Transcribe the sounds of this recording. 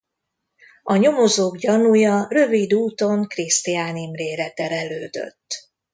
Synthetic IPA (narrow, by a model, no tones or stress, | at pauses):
ɒɲo̞mo̞zoːɡɟɒnujɒrø̞vid̪uːt̪o̞ŋkrist̪iaːnimreːɾɛt̪ɛɾɛløːd̪ø̰t̪ː